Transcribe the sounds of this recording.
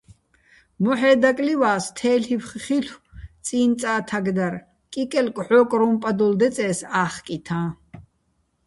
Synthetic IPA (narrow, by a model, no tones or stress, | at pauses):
mɔħɛːd̪akʼliwaːst̪ʰɛːɬipχχiɬʰw̪t͡sʼiːnt͡s̪ʼaːt̪ʰaɡd̪aɾ | kʼikʼɛlkʼʕɔːkʼɾumpʼad̪uld̪ɛt͡sʼɛːsaːχkʼit̪ʰãː